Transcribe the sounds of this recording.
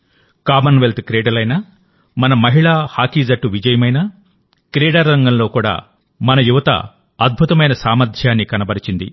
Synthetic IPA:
kaːmɐnʋelt̪kɾeːɽɐlɐjnɐ | mɐnɐmɐɦiɭaːhaːkid͡ʒɐʈːuʋid͡ʒɐjɐmɐjnɐ | kɾɛːɽɐɾːɐŋɡɐmlo̞ːkuːɽa̰ː | mɐnɐjuʋɐt̪ɐ̰ | ɐd̪̚bʱut̪ɐmɐjnɐsaːmɐɾd̪ʱjaːnːikɐnɐbɐɾit͡ʃind̪ḭ

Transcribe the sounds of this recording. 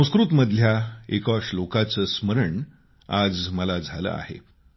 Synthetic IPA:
ə̃w̃skɾut̪məd̪ʱjaekaʂlokat͡səːsməɾəɳ | ad͡zməlad͡zʱalə̰a̰ɦḛ

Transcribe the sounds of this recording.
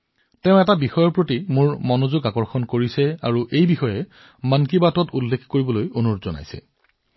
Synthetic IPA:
tɛʊ̃ɛtabixɔjɔɹpɹotimuɹmɔnozuɡakɔɹxɔnkoɹisɛaɹuʔejbixɔjɛ | mankibatɔtulːekʰkoɹibɔlojonutzɔna̰jsɛ̰

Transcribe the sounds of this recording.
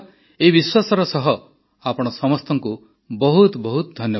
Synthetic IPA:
eibiswasɔɾɔsɔɦɔ | apɔɽ̃ɔsɔmɔst̪ɔŋku | bɔɦut̪bɔɦut̪ɔd̪ʱɔnjɔ

